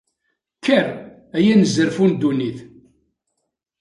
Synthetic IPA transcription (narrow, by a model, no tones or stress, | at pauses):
kʰːæɾ | æjænəzəɾfund̪uniθ